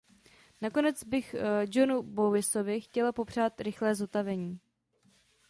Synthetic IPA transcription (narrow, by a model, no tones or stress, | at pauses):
nako̞nɛd͡zbɪxd͡ʒo̞nubowɪso̞vɪxcɛlapo̞pr̝̥aːt̪ɾɪxlɛːzot̪avɛɲiː